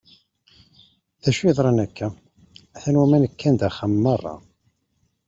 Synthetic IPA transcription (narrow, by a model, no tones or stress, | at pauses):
θæʃiðˤɾˤɑnækʰːæ | æθænwæmænəkːænd̪æχamːɑrˤːɑ̰